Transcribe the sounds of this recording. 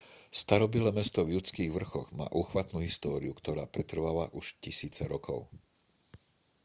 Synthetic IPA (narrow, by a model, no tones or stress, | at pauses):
st̪aɾɔbilɛːmɛst̪ɔvʎut͡skiːɣʋr̩xɔɣma̰ːʔuːxʋat̪nuɦist̪ɔːɾiukt̪ɔɾaːpɾɛt̪r̩ʋaʋaʔuʃcisiːt͡sɛɾɔkɔ̰ʊ